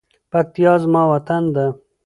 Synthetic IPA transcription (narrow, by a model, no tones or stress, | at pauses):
pak̚t̪jɑːzmɑːwat̪and̪a